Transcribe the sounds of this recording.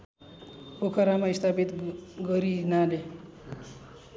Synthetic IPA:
pokʰʌɾamaist̪ʰapit̪ɡʌɾinale

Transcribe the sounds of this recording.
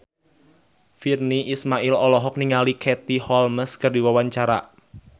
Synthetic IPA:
firniʔismaʔɪlɔlɔɦɔk̚niŋalikʰɛt̪ihɔlməskərdiwawaɲt͡ʃaɾa̰

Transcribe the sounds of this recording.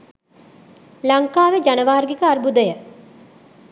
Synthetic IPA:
laŋkaːʋed͡ʒanəʋaːɾɡikəarbud̪əjə

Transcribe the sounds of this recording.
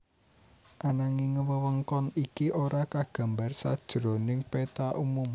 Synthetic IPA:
ʔanaŋiŋəwəwəŋkɔnikiʔoɾakaɡ̥a̤mbarsa̰d̥ʒ̥ɾonɪŋpet̪aʔumum

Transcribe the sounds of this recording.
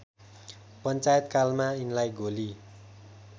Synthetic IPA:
pəɲt͡ʃaɛt̪̚kalmainlajɡoli

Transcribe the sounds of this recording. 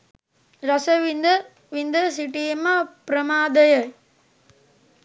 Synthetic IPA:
ɾɐsɐʋind̪ɐ | ʋind̪ɐsiʈiɐmɐpɾɐmaːd̪ɐjɐj

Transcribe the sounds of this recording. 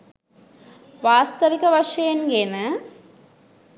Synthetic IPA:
ʋaːst̪ɐʋikɐʋɐʂɐjenɡenə

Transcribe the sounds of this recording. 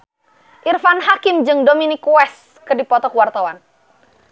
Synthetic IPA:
ʔirfanɦakɪmd͡ʒɨŋdominikuɛs | kɨrdipɔt̪ɔkwart̪awan

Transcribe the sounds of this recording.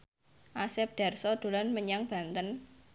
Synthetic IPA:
ʔasɛp̚ɖ̪̥a̤rsɔd̪̥o̤lanməɲaŋb̥ä̤nt̪ən

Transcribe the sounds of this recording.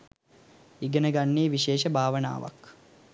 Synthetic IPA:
iɡənəɡanːiːʋiʃeːʃəbʱaːʋəna̰ːʋa̰k

